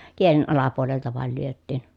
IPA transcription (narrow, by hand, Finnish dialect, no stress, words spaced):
kielen ɑlɑpuoleltɑ ʋɑˑel lyøtːiːn